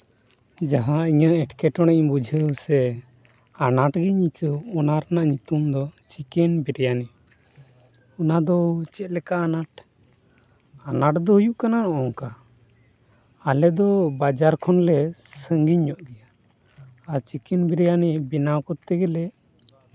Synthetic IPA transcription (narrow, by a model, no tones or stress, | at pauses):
d͡ʒaɦãiɲaʔɛʈkɛʈɔɽ̃ɛɲbud͡ʒʱəwsɛ | anaʈɡiɲikʰəɔnaɾanaʔɲut̪umd̪ɔt͡ʃikɛnbɛɾɛjanɛ | ɔnad̪ɔt͡ʃɛt̪̚lɛkaʔanaʈ̚ | anaʈd̪ɔɦujuʔkananɔʔɔŋka | alɛd̪ɔbad͡ʒaɾkʰɔnlɛsəŋɡiɲɲɔʔɡɛjaː | ɾt͡ʃikɛnbɛɾɛjanɛbinawkɔt̪ɛɡɛlɛ